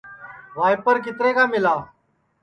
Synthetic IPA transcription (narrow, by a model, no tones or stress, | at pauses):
ʋaːjpəɾk̬ɪt̪ɾeːkaːmɪlaː